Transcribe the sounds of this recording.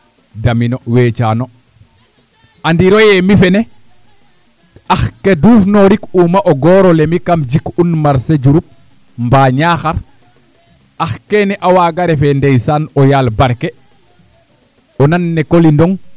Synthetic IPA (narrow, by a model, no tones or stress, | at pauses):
daminoweːt͡ʃano | andiɾojɛmifɛne | axkeduːfnoɾikumaʔoɡɔːɾolemikamd͡ʒikunmaɾseɟuɾup̚ | mbaɲaxaɾ | axkenɛʔawaːɡaɾefendejsanɔjalbaɾke | ɔnanːekolindɔŋ